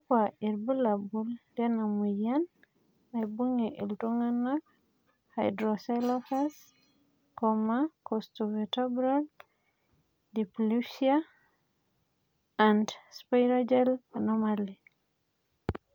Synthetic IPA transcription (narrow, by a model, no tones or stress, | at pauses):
kaiɾbəlabuldɛnamujanː | ajbuŋiʔḭltuŋanak | hajdɾɔsalafas | kɔmakɔstuvɛtebɾal | diplusia | andspajɾad͡ʒelanomali